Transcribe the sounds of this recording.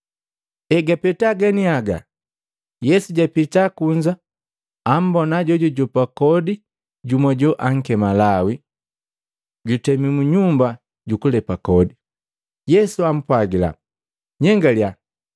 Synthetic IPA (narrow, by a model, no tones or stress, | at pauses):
ɛɡapɛtaɡaniaɡa̰ | jɛsuɟapitakuɲd͡ʒaː | m̩bɔnaɟɔɟɔɟɔpakɔdi | ɟumɔɟɔʔaŋ̩kɛmalawi | ɟutɛmimuɲumba | ɟukulɛpakɔdi | jɛsuam̩pwaɡila̰ | ɲɛŋɡalja